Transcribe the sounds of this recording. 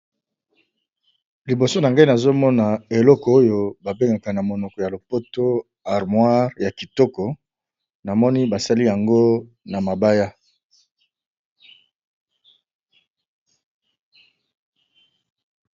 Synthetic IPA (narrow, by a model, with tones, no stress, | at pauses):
li˨bo˨so˦na˨ŋɡa˦i˦na˨zo˦mɔ˦na˨e˨lɔ˦kɔ˨o˦jo˨ba˨be˦ŋɡa˨ka˨na˨mo˨nɔ˨kɔ˨ja˨lo˨po˦to˦ | a˨ʁmwa˦ʁja˨ki˨tɔ˦kɔ˨ | na˨mɔ˦ni˦ba˨sa˦li˦ja˨ŋɡo˦ | na˨ma˨ba˦ja˦